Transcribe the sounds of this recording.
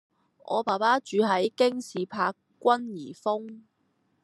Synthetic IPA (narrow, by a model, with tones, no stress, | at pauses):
ʔɔ̰ː˨˧paː˨˩paː˥t͡ʃyː˨˧ɦɐ˨˥jkɪ˥ŋsiː˨pʰaː˧kːʷɐ˥njiː˨˩fʊ˥ŋ